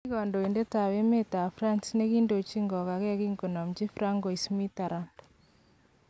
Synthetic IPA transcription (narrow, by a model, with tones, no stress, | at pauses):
i˦ɣɔ˨ndɔ˨i˨nde˦ta˨we˦me˦ta˨fɾa˦nsne˦ɣi˦ndo˨t͡ʃi˦ŋɡɔ˨ɣa˨ɣɛ˦ɣi˦ŋɡo˨na˨m̩d͡ʒi˦fɾa˦ŋɡɔ˨i˨smi˦ta˨ɾand